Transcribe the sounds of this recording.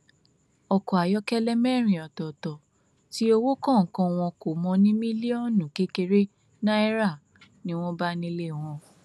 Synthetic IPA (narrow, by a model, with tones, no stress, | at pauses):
ɔ˧kɔ˨a˨jɔ˦kɛ˦lɛ˦mɛ̃˦˨ɾ̃ĩ˨ɔ˨tɔ˨tɔ˨ | ti˦o˧wo˦kɔ̃˦˨ŋ̩˨kɔ̃˧w̃ɔ̃˧ko˨mɔ̃˧nĩ˦mĩ˦li˦ɔ˦˨nũ˨ke˦ke˧ɾe˦ | nã˦ɛ˦ɾa˦˨ | nĩ˦w̃ɔ̃˦ba˦nĩ˧˦le˦˨w̃ɔ̃˧